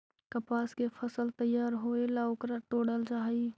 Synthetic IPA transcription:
kəpaskepʰəsəlt̪əjaɾɦoelaokɾaʈoɽəld͡ʒaɦəi

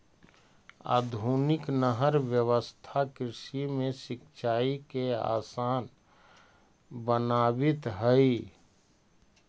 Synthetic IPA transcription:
a̰ːd̪ʱunɪknəɦəɾʋjəʋəst̪ʰakɾɪʃimẽsɪkt͡ʃʰaːikea̰ːsaːn | bənaːbɪt̪ɦəi

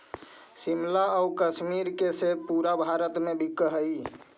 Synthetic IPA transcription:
simlaəukəsmiɾkesepuɾabʱaɾət̪mebʱikːəɦəj

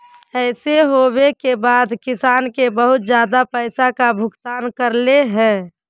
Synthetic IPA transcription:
ɛɪseɦobekebaːd̪kɪsaːnkebəɦʊt̪d͡ʒjaːd̪apɛɪsakabʱʊkɡt̪aːnkəɾleɦɛ̃ː

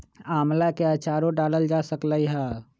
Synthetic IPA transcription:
aːmlakeat͡ʃaɾõɖaləld͡ʒasəkləiɦɛ

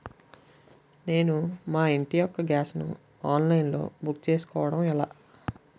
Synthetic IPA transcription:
ne̞ːnumaːiɳʈijɔkːɐɡaːsnṵ | aːnlɐjnlo̞̰ːbukt͡ʃe̞ːsu̥kɔːʋɐɽɐmɛlaː

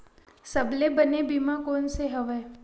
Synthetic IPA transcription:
sɐblebənebimãkoːnseɦɐʋɛː

